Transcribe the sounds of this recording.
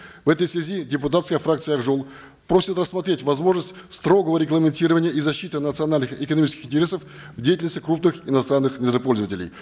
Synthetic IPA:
vɛt̪əjsvʲɪzʲidʲɪpʊt̪at̪skəjəfɾakt̪sɨjəɐɡʐolˠ | pɾo̞sʲɪt̪rəsːmɐt̪ɾʲetʲvɐzmo̞ʐnəsʲtʲst̪ɾo̞ɡəvəɾʲɪɡlˠəmʲɪnʲtʲiɾəvənʲɪjəʔizɐɕːit̪ɨnət̪sɨɐnalʲnɨxɪkənɐmit͡ɕɪskʲɪ̥xɪntʲɪɾʲe̞səf | vdʲejtʲɪlnəsʲt̪ʲːɪ̥kɾupnɨxɪnɐst̪ɾanːɨxmʲɪəpo̞lʲzəvətʲɪlʲɪ̰j

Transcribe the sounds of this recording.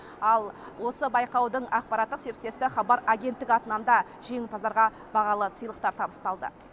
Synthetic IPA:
ɑlˠ | wo̞səbɑjqɑwd̪əɴɑq̚pɑɾɑt̪ːəqse̞ɾt̪ːe̞st̪ɪχɑbɑɾaɡʲe̞nt̪ːɪɡʲɑt̪ənɑnd̪ɑ | ʒ̥e̞ŋɪlpʰɑzɑɾʁɑ | bɑʁɑlˠəsəjlˠəqt̪ɑɾt̪ʰɑbəst̪ɑlˠd̪ə̰

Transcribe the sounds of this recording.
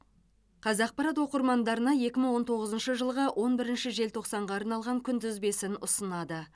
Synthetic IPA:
qʰɑzɑq̚pɑɾɑt̪wo̞qəɾmɑnd̪ɑɾənɑje̞kʲɪməɴwo̞nt̪ʰo̞ʁəzənʃəʒəlˠʁəwʔo̞nbɪɾɪnʃɪʒe̞lt̪ʰo̞qsɑɴʁɑɑɾnɑlˠʁɑŋkʲʰʏnd̪ɪzbe̞sɪnʊsənɑd̪ə

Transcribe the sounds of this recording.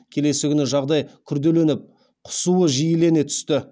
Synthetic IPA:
kʲʰe̞le̞sɪkʲʏnɪʒɑʁd̪ɑjkʲʰʏɾd̪e̞le̞nɪp̚ | qʰʊ̥suəʒijɪle̞net̪ʰʏ̥st̪ɪ

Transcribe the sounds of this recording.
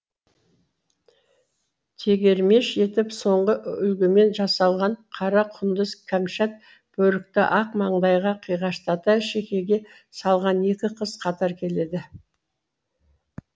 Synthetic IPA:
t̪ʰe̞ɡʲe̞ɾme̞ʃe̞t̪ɪpso̞ɴʁəʔʏlɡʲɪme̞nʒɑsɑlˠʁɑɴqʰɑɾɑqʰʊnd̪əzkʲʰamʃat̪̚ | b̥ɵɾɪk̚t̪ɪʔɑqmɑɴd̪ɑjʁɑqʰijʁɑʃt̪ɑt̪ɑʃe̞kʲe̞ɡʲe̞ | sɑlˠʁɑne̞kʲɪqʰəz̥qʰɑt̪ɑɾkʲʰe̞le̞d̪ɪ

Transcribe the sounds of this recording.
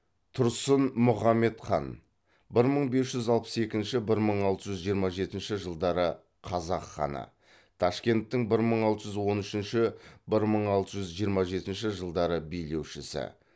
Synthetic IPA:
t̪ʰʊɾsənmʊχɑmːe̞t̪χɑ̰n | bɪɾməɴbe̞sʒʏzɑlˠpə̥se̞kʲɪnʃɪbɪɾməɴɑlˠt̪əʒʏzʒijəɾmɑʒe̞t̪ɪnʃɪʒəlˠd̪ɑɾə | qʰɑzɑqχɑ̰nə̰ | t̪ʰɑʃkʲe̞nt̪ːɪŋbɪɾməɴɑlˠt̪əʒʏzwo̞nʏʃɪnʃɪbɪɾməɴɑlˠt̪əʒʏzʒijəɾmɑʒe̞t̪ɪnʃɪʒəlˠd̪ɑɾəbejle̞wʃɪsɪ̰

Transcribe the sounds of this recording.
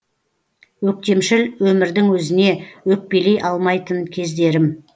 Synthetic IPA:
wɵk̚t̪e̞mʃɪlwɵmɪɾd̪ɪŋwɵzɪne̞wɵk̚pe̞le̞jʔɑlˠmɑjt̪ənkʲʰe̞zd̪e̞ɾɪm

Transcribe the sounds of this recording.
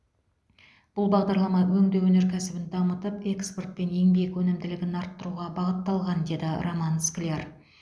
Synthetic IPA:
b̥ʊlˠbɑʁd̪ɑɾlˠɑmɑwɵŋd̪ewɵne̞ɾkʲʰæsɪbɪnd̪ɑmət̪əpe̞kspo̞rt̪̚pe̞ne̞ŋbjekwɵnɪmd̪ɪlɪɡʲɪnɑɾt̪ːəɾuʁɑbɑʁət̪ːɑlˠʁɑnd̪e̞d̪ɪromɑnsklʲer

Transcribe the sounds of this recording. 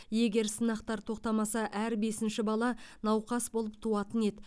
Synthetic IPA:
je̞ɡʲe̞ɾsənɑqt̪ɑɾt̪ʰo̞q̚t̪ɑmɑsɑʔæɾbe̞sɪnʃɪbɑlˠɑnɑwqɑsbo̞lˠəp̚t̪ʰuɑt̪əne̞d̪

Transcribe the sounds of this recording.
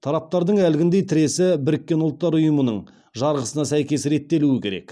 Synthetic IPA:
t̪ʰɑɾɑp̚t̪ɑɾd̪əɴælɡʲɪnd̪e̞jt̪ʰɪɾe̞sɪbɪɾɪkʲːe̞nʊlˠt̪ːɑɾʊjəmənəɴ | ʒɑɾʁəsənɑsæjkʲe̞sɾe̞t̪ːe̞luɪkʲʰe̞ɾe̞̰k

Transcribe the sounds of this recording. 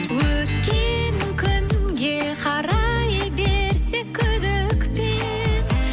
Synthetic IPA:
wɵt̪kʲenkʲʰʏnɡʲe̞ | qʰɑɾɑjəbeɾsekʲʰːʏd̪ɪkpe

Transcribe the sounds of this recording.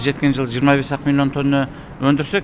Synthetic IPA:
ʒe̞t̪̚kʲe̞nʒəlˠʒijəɾmɑbe̞sɑqəmilʲˠijo̞nt̪ʰo̞nːə | wɵnd̪ɪɾse̞k

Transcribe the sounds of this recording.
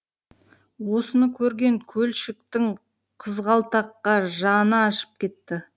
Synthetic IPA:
wo̞sənəkʲʰɵɾɡʲe̞ŋkʲʰɵlʃɪk̚t̪ɪŋ | qʰəzʁɑlˠt̪ɑqːɑʒɑnəɑʃə̥p̚kʲe̞t̪ːɪ

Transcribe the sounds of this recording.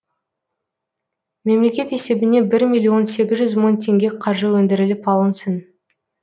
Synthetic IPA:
me̞mle̞kʲe̞t̪e̞se̞bɪne̞bɪɾmʲilʲˠijo̞nse̞ɡʲɪzʒʏzmont̪ʰe̞ŋɡʲe̞qʰɑɾʒəwɵnd̪ɪɾɪlɪpɑlˠənsən

